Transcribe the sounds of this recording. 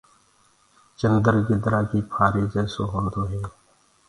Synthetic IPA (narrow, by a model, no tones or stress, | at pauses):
t͡ʃənd̪əɾɡɪd̪ɾaːkiːpʰaːɾiːd͡ʒɛːsoɦõːnd̪oːɦɛː